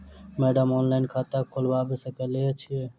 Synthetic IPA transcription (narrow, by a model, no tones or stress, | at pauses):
mɛɖəmɔnlaɪnkʰat̪əkʰolbabesəkəlet͡ʃʰie